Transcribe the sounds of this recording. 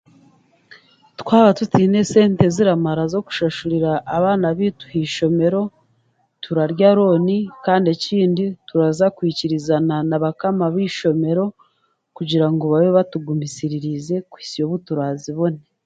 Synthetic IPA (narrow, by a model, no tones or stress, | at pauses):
twaːβatutiːne̞se̞ːnte̞ziɾamaɾazo̞ku̥ʃaʃuɾiɾaʔːβaːnaβitu̥hiʃo̞me̞ɾo̞ | tʰuɾaɾɟaɾo̞nikaːndeciːndituɾazakwiːciɾizananaβakamaβiːʃo̞me̞ɾo̞ | kuɟiɾaŋɡoβajoβatuɡumisiɾiɾize̞kwi̥ːsijo̞βutuɾaːziβo̞ne